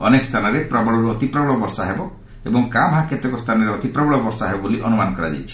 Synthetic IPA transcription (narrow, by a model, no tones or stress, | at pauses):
ɔ̰nekɔst̪ʰanɔɾepɾɔbɔɭɔɾuɔt̪ipɾɔbɔɭɔbɔɾsaɦebɔ | ebɔŋkamɦaket̪ekɔst̪ʰanɔɾeɔt̪ipɾɔbɔɭɔbɔɾsaɦebɔboliʔɔnumanɔkɔɾa̰d͡ʒa̰jt͡ʃʰi̥